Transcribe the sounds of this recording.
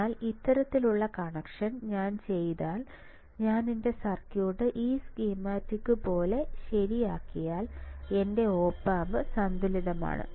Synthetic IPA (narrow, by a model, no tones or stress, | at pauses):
aːlit̪ːɐɾɐt̪ːiluɭːɐkɐɳɐkʂɐnɲaːnt͡ɕe̞jðaːl | ɲaːninde̞sɐrkjuːʈːɨʔiːskiːmaːtːikːɨpo̞ːle̞ɕɐɾijaːkːijaːle̞nde̞o̞ːpːaːmbɨsɐnd̪uliðɐma̰ːɳɨ̰